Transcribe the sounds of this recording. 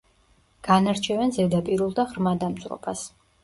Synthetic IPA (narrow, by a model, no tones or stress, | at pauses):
ɡ̥anaɾt͡ʃʰɛvɛnzɛd̪apʼiɾulˠd̪aʁɾmad̪amt̪sʼɾɔ̰bas